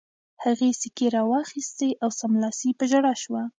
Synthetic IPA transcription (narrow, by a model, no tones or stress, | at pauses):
haɣesikeɾɑwɑxist̪eʔawsamlɑsipəʒaɽaʃwa